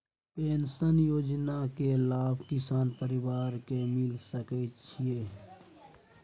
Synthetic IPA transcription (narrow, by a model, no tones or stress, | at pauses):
peːnsənjoːd͡ʒnakelaːbʱkɪsaːnpəɾɪwaːɾkemɪlsəkɛt͡ʃʰieː